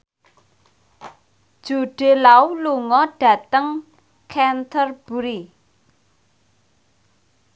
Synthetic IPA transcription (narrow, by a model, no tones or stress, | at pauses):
d̥ʒ̥ṳɖ̥e̤lauluŋɔɖ̥ä̤t̪əŋ | kʰɛnt̪ʰərb̥uɾi